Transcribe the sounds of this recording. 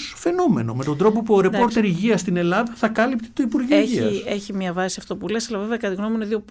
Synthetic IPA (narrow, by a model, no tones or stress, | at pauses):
fe̞no̞me̞̰no̞̰me̞t̪o̞nd̪ɾo̞po̞puoɾepo̞ɾt̪e̞ɾiʝiɐst̪ine̞lɐðɐθɐkɐlip̚t̪i̥t̪oipuɾʝioʝiɐieçimɲɐvɐsiɐft̪o̞pulesɐlɐve̞veɐkɐt̪iɣnomenoðio̞